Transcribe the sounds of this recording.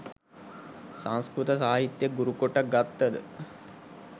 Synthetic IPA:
saŋskɾut̪əs̬aːɦit̪jəɡuɾukoʈːak̚ɡat̪ːəd̪ə̰

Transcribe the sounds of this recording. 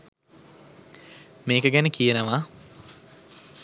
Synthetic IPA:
meːkəɡænəkijənəʋa

